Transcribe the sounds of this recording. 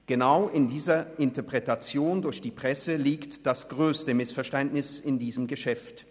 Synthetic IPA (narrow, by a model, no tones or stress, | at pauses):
ɡ̥ənaʊʔɪndiːzɐʔɪntəɐpʁ̥ɛtat͡sjoːndʊɐçd̥iːpʁ̥ɛsəliːktd̥asɡ̥ʁøːstəmɪsfɛɐʃtɛntnɪsɪndiːzəmɡəʃɛft